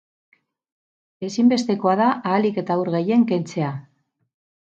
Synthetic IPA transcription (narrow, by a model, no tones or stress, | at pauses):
e̞simbe̞st̪e̞ko̞aðaʔaːlike̞t̪auɾɣe̞je̞ŋke̞nt͡se̞a